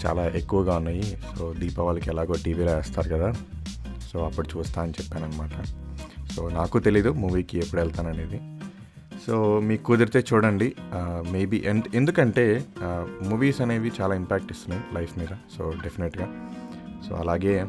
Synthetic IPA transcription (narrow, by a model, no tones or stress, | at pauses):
t͡ʃa̰ːlaːʔekːuʋɐɡaːunːaːjisoːd̪iːpɐʋaːlɐkiɛlaːɡoːʈiːʋiːloːeːst̪aːɾukɐd̪aː | soːɐpːuɽut͡ʃuːst̪aːɐnit͡ʃɛpːaːnɐnːɐmaːʈɐsoːnaːkut̪e̞lijd̪umuːʋiːkiepːuɽɛlt̪aːnɐne̞ːd̪i | soːmiːkukuːd̪ɐɾit̪e̞ːt͡ʃuːɽɐɳɖime̞ːbiːʔenend̪ukɐɳʈe̞ː | muːʋiːsɐneːʋit͡ʃaːlaːimpaːk̚ʈist̪unːaːjilʔɐjfʰmiːd̪ɐsoːɖepʰineʈɡaːso̰ːɐlaːɡe̞ː